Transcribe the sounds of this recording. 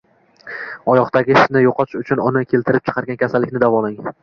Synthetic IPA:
ɒjɒqt̪aɡʲɪʃnɪjoqʰɒʃʊt͡ʃʰʊnʊnɪkʲʰe̞lt̪ʰɪɾɪp̚t͡ʃʰɨ̥qʰɑɾɡʲankʲʰasalːɪkʲnɪd̪avɒlɪŋ

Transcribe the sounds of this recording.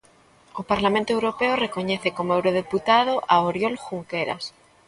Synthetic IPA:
opaɾlamẽnt̪oewɾopeorekoɲeθekomoewɾoðeput̪að̞oʔaoɾjolxuŋkeɾa̰s

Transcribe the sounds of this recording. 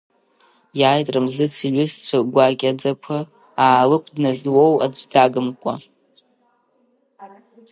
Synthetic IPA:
jaːjtʼrɨmzɨt͡sʰiɥʷʊst͡ɕʷʰaɡʷakʲʼad͡zapʷʰɨ | aːlɨkʷʰdnazwowa̰d͡zʷdaɡɨmkʷʼa

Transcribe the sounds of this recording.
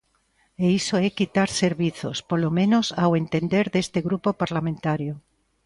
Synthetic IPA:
eisoɛkit̪aɾseɾβiθo̰spolomẽnosawent̪end̪eɾðest̪eɣɾupopaɾlamẽnt̪aɾjo

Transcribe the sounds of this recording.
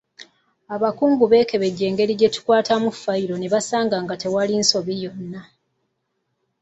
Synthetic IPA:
aβakuːŋɡuβe̞ːke̞βe̞ɟe̞ːŋɡe̞ɾiɟe̞tu̥kwaːtamufːaiɾo̞ne̞βasaːŋɡaŋɡate̞walinso̞βijo̞nːa

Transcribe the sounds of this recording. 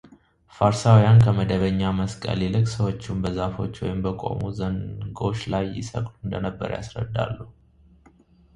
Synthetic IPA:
faɾsawjankʰəməd̪əβəɲːaməskʼə̰lilɨkʼsəwo̞t͡ʃːumbəzafo̞̰t͡ʃːwɔ̰jɪmbəkʼo̞̰muzəŋɡo̞t͡ʃːlajːɪ̰sə̰kʼluɨnd̪ənəbːə̰ɾja̰sɾə̰d̪ːa̰lːəhu

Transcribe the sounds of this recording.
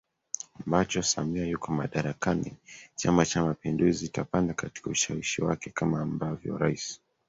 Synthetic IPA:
ambat͡ʃɔsamiajukɔmaɗaɾakanḭt͡ʃamat͡ʃamapinduzitapandakati̥kauʃawiʃiwakɛkamaːmbavjɔ̰ɾaisi̥

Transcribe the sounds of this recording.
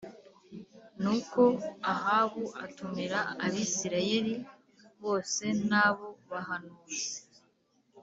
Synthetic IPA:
nuko̞aɦaːβuatumiɾaːβisiɾaje̞ɾi | βo̞ːse̞naːβo̞βahanuze

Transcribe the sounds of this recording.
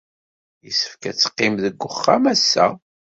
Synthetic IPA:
jisə̥fkæt͡sːə̥qːɪmðəɡʷːʊχːamæsːæ̰

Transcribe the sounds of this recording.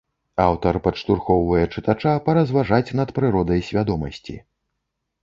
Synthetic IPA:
awt̪ɐrpɐʂt̪urxɔwvɐjɛt͡ʂɨt̪at͡ʂapɐɾɐzvaʐat͡sʲn̪ɐt̪pɾɨɾɔd̪ɐjsʲvʲad̪ɔmɐsʲt͡sʲḭ

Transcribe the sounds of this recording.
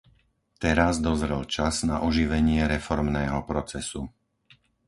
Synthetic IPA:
t̪ɛɾazd̪ɔzɾɛlt͡ʃaznaʔɔʒiʋɛɲɪɛɾɛfɔɾmnɛːɦɔpɾɔt͡sɛsu

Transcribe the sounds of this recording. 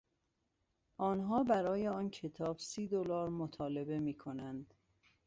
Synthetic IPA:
ʔɒːnɦɒːbæɾɒːjeɒːncʰe̞t̪ʰɒːb̥siːd̪olɒːɾmot̪ʰɒːle̞be̞miːkʰonænd̪̥

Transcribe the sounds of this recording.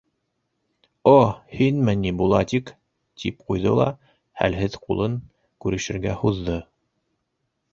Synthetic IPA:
ohinmænːibulˠɑt̪ik | t̪ʰip̚qujðɤlˠɑ̰ | hæ̰lɦɘðqulˠɤŋ | kʉɾɘ̆ʃɘ̆ɾɡæhuðːɤ

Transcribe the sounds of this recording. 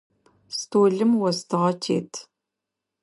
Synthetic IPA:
stʰoːɮɨmwɐstʰɨʁɐtʰḛːtʰ

